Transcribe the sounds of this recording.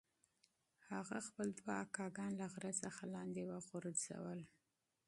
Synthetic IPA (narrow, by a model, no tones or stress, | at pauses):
haɣaxpəld̪waakɑɡɑnlaɣɾat͡səxalɑnd̪ewəɣʊɾəz̥a̰wəl